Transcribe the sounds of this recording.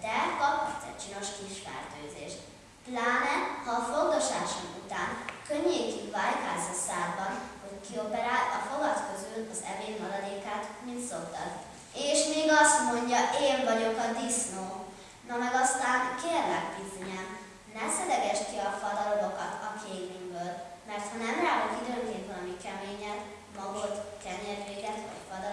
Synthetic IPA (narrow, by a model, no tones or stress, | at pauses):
d̪̥ɛkɒp̪sɛ̰t͡ʃino̞ʃkiʃfɛ̰rt̪øːzḛːʃt̪ | plaːnɛhɒːfoɡɡ̪ɒʃaːʃomut̪aːnkøɲːeːkivaːjt̪aːzɒsaːrbɒnho̞ckio̞pɛɾaːlɒfo̞ɡɒt̪kø̞zylɒzɛ̰veːnmɒɾɒd̪eːkaːt̪mint̪so̞kt̪ɒ̰d̪ | eːʃmeːɡɒst̪mo̞ɲɟɒʔeːɱvɒɟo̞kɒd̪isnoː | nɒmɛɡɒst̪aːnkeːrlɛɡbizoɲɛm | nɛsɛd̪ɛɡɛʃkiɒfɒd̪ɒɾo̞lo̞kɒt̪ɒkʰeːɡviŋbøːl | mɛrt̪hɒnɛmraːɦot̪id̪øːŋkeːnt̪vɒlɒmikɛmeːɲɛt̪ | mɒɡot̪kɛɲeːrʒeːɡɛt̪ʋɒ̰cfɒd̪ɒ